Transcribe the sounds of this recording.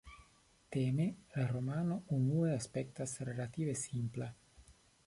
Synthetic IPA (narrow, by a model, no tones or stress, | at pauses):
t̪emelaɾo̞mano̞unueaspektasɾelat̪ivesimpla